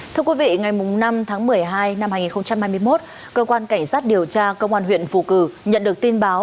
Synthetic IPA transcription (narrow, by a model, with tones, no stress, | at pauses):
t̪ʰɨ˧əkwi˨˦vḭ˧˨ŋa˨˩jmʊ˨˩ŋ͡mna˧mt̪ʰaː˨˦ŋmɨ˨˩əjɦaː˧jna˧mhaː˧jŋi˨˩nxə˧wŋ͡mt͡ɕa˧mhaː˧jmɨ˧əjmo˦˥t̚ | kəː˧kwaː˧nka˧˩jŋ̟saː˦˥t̚ɗi˨˩əwt͡ɕaː˧kə˧wŋ͡mʔaː˧nɦwḭ˧˨ənfṵ˧˩kɨ˧˩ɲə̰˧˨nɗɨ˨˩ək̚t̪i˧nɓaː˨˦w